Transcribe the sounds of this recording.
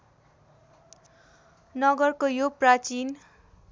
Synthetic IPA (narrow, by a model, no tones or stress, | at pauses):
nʌɡʌrkojoprat͡sin